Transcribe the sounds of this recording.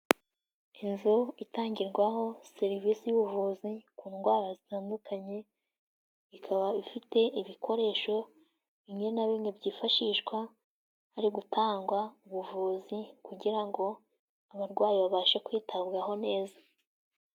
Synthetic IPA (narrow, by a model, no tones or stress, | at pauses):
inzuitaːɲɟiɾɡwaɦo̞se̞ɾivisijuβuvuzikuːnɡwaːɾazitaːndukaɲe̞ | βikʰaβaifite̞ʔiβikʰo̞ɾe̞ːʃo̞ | iɲenaβimŋebɟiːfaʃiːʃkwa | aɾiɡutʰaːŋɡwauβuvuːzikuɟiɾaŋɡo̞ | aβaɾɡwaːjiβaβaːʃakwiːtʰaβɡaɦo̞ne̞ːza